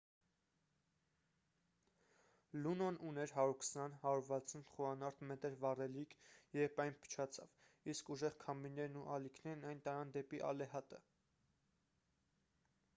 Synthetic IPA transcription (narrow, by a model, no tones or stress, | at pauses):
lunɔnunɛɾɦɑɾuɾkʰə̥sɑnhɑɾuɾvɑt͡sʰunχuɑnɑɾt̪mɛt̪əɾvɑrɛlikʰjɛpɑjnpʰə̥t͡ʃʰɑt͡sʰɑ̰v | iskuʒɛʁkʰɑmbinɛɾnuʔɑlikʰnɛɾnɑjnt̪ɑɾɑnd̪ɛpiʔɑ̰lɛɦɑt̪ə